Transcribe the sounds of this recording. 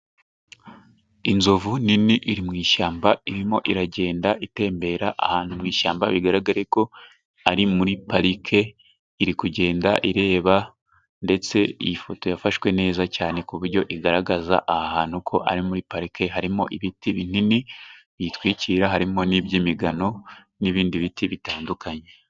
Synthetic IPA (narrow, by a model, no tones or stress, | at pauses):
inzovuniniʔiɾimŋiːʃaːmbaiɾimo̞ʔiɾaɟe̞ːndaʔite̞ːmbe̞ːɾaʔa̰haːnhumŋiːʃaːmbaβiɡaɾaɡaɾeko̞ | aɾimuɾipaɾikʰe̞ | iɾikuɟe̞ːndaʔiɾe̞ːβa | nde̞t͡se̞ḭjifo̞to̞jafaʃwe̞ne̞ːzacaːne̞kuβuɾɟo̞ʔiɡaɾaɡaza̰ʔahahaːn̥hukʰo̞̰ʔa̰ɾimuɾipaɾike̞ɦaɾimo̞̰ʔiβitiβin̥iniβitwiːciːɾaɦaɾimo̞nibjimiɡano̞ | niβiːndiβitiβitaːndukʰaɲe